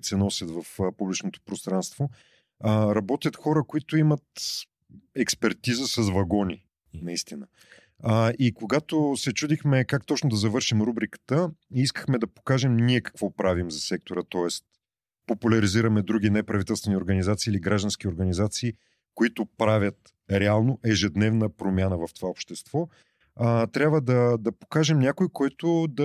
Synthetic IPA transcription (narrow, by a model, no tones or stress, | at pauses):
t̪sɛnɔsʲət̪vɐfpublit͡ʃnot̪o̥pɾost̪ɾanst̪vo | ɾɐbɔt̪ʲjət̪xɔɾəkoit̪oimɐt̪ | ɛkspɛɾt̪izəsɐzvɐɡɔni | nɐist̪inə | ikoɡat̪osɛt͡ʃud̪ixmɛkakt̪ɔt͡ʃnod̪ɐzɐvɤɾʃimɾubɾikə̥t̪əiiskə̥xmɛd̪ɐpo̥kaʒɛmniɛkɐ̥kvɔpɾavimzɐsɛk̚t̪oɾət̪ɔɛst̪ | populʲɐɾiziɾəmɛd̪ɾuɡ̟ʲinɛpɾɐvit̪ɛlˠst̪vɛnioɾɡənizat̪siːliɡɾaʒd̪ɐnsk̟ioɾɡənizat̪siː | koit̪ʊpɾavʲət̪ | ɾɛalˠnoʔɛʒɛd̪nɛvnəpɾomʲjanəvɐft̪o̥vaopʃt̪ɛst̪v̥ɔ | t̪ɾʲabvəd̪ɐd̪ɐpo̥kaʒɛmnʲakoikɔjt̪od̪ɐ